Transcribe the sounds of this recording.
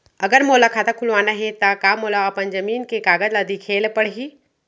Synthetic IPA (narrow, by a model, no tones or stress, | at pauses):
ɐɡəɾmoːlakʰaːt̪akʰulʋaːnaɦet̪akaːmolaɐpənd͡ʒɐmiːnkekaːɡəd̪lad̪ikʰeːlpəɽ̤ɦi